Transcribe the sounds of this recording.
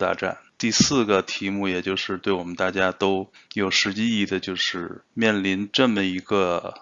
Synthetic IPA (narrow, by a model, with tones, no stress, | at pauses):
t̪a̰˥˧˩ʈ͡ʂa̰˥˩nt̪i˥˧sɹ̩˥˩ɡə˩t̪ʰi˧˥mu˥˩jɛ˨˩t͡ɕjo˥˧ʊʂɻ̩˥˧t̪we˥˩ɪwɔ˨˩mə˦nt̪a˥˩t͡ɕja˥t̪o˥ʊjo˨˩ʊʂɻ̩˧˥t͡ɕi˥i˥˩d̪ə˩t͡ɕjo˥˧ʊʂɻ̩˥˧mjɛ˥˩nli˧˥nʈ͡ʂɤ˥˩mə˩i˧˥ɡə˧